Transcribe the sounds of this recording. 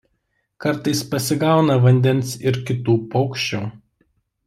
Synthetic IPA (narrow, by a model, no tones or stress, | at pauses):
kɐɾˑt̪ɐɪspɐsʲɪɡɑˑʊnɐʋɐnʲd̪ʲɛnsɪɾkʲɪt̪uːpɔʊkʃʲt͡ʃʲuː